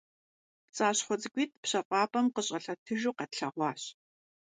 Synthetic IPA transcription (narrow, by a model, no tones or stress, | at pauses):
pt͡sʼaːɕχʷɔt͡sʼɨɡʷiːt̚pɕɐqʷʼɑːpʼɐmqəɕʼɐɬɐtʰɨʒuːqɐtɬɐʁʷɑːɕ